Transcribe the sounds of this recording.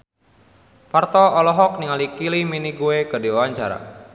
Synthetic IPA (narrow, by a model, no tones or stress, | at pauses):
part̪ɔɔlɔɦɔk̚niŋalikiliminiɡuekədiwawaɲt͡ʃaɾa̰